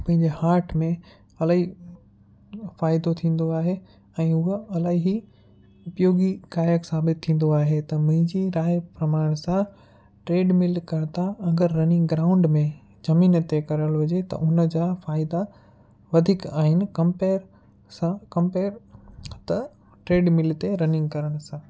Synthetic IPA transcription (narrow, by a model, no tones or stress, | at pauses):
pɐ̃ɦɪ̃ɲd͡ʑehaːɾʈʰmẽ | ɐlaːɦi | faːɪd̪ot̪ʰĩːn̆d̪oaːɦe | ɛ̃ːʊɦeɐlaːɦiɦi | ʊpjoːɡikaːjəksaːbɪt̪ʰːĩːn̆d̪oaːɦet̪ɐm̃ɦɪ̃ɲd͡ʑiɾaːpɾɐmaːɽ̃sã | ʈɾeːɖmɪlkɐɾt̪aɐŋɡəɾːɐnɪ̃ŋɡɡɾaːʊ̃ɳɖmẽ | zɐmiːnt̪ekɐɾəlɦʊd͡ʑet̪ɐ̰ʔʊnəd͡ʑaːfaːɪd̪a | ʋɐd̪ʱɪkaːɦɪnɪ̆kɐ̃mpeːɾ | sãkɐ̃mpeːɾt̪ɐ | ʈɾeːɖmɪlt̪eɾɐnɪ̃ŋɡkɐɾəɽ̃̆sãː